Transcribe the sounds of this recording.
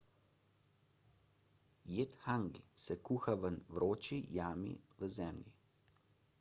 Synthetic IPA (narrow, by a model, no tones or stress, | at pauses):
jeːt̪xaŋɡḭsɛkuːxaʋənʋɾoːt͡ʃijaːmḭʋəzɛmlʲḭ